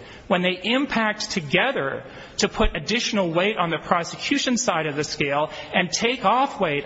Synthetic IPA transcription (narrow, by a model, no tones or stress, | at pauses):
wə̃nðeɪʔɪ̃mpʰæk̚tʰɨɡɛðə̰˞ | ɾɨpʰʊɾɨdɪʃn̩l̩ˠweɪɾn̩ðɨpʰɹ̥ɑsɨkʰj̥ʉʃɨ̃nsaɪɾʌvðɨskeɪlˠɨ̃ntʰeɪkɔfweɪɾ